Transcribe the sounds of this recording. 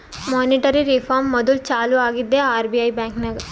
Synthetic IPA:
moːniʈɐɾiɾifʰaːɾmːɔd̪ult͡ʃaːluaːɡid̪ːeːaːɾbiɐjbɛːŋknɐɡɐ

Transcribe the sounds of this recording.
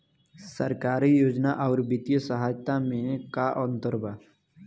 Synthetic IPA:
səɾkaːɾijoːd͡ʒnaʔɔːɾbɪt̪ijəsəɦaːd͡ʒt̪amẽkaʔɔ̃nt̪əɾbaː

